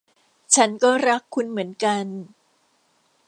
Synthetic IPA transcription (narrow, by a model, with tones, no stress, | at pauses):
t͡ɕʰa˦˥nkɔː˥˩ɾa˦˥kʰːu˧nmɯ˩˦ənka˧n